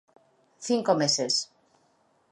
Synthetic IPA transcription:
θiŋkomeses

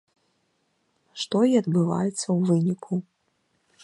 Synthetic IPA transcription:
ʂt̪ɔiɐd̪bɨva̰jɛt̪sːɐwvɨnʲikʰu

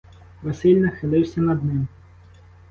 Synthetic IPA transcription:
ʋɐsɪlʲnɐxɪlˠɪwsʲɐnɐd̪nɪm

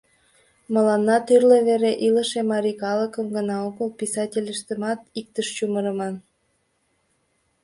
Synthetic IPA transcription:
məlɑnːɑt̪yrleβeɾeʔiləʃemɑɾikɑləkəmɡənɑoɣəlpʲisɑtʲelʲəʃt̪ə̆mɑt̪ik̚t̪əʃt͡ɕuməɾəmɑn

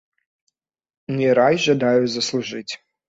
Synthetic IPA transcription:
nʲiɾajʒɐd̪ajʊzɐslˠuʐɨtʲ

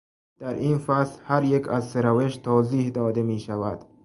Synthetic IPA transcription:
d̪̥æɾinfæslhaɾjekʰazseɾaveʃt̪ʰɒːziːhd̪ɒːd̪emiːʃavæd̪̥

